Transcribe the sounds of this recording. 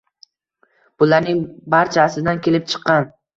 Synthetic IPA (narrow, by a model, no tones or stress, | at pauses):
b̥ʊlaɾnɪŋbaɾt͡ʃʰaːslɪd̪ankʲʰe̞lɪp̚t͡ʃʰɨ̥qːɑn